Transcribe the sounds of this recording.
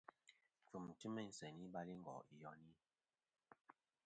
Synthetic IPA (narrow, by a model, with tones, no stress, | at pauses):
fu˨m˨ti˦mɛ˦˨n̩˨sɛ˨ni˦ɓa˦li˦ŋ̩˦ɡɔ̰˨i˨jɔ˨˦ni˦